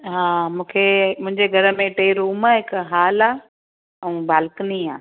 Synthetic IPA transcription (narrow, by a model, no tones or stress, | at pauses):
ɦaːmũːkʰemʊ̃ɦɪ̃ɲd͡ʑeɡʱɐɾə̆mẽʈeːɾuːmaːɦɪkɦaːlaː | ɛ̃baːlkniaː